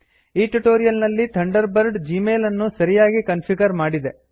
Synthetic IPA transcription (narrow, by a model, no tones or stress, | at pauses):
iːʈuʈoːɾijɐlnɐlːit̪ʰɐɳɖɐɾbɐɾɖd͡ʒiːmeːlɐnːusɐɾijaːɡikɐnpʰiɡɐɾmaːɽid̪e̞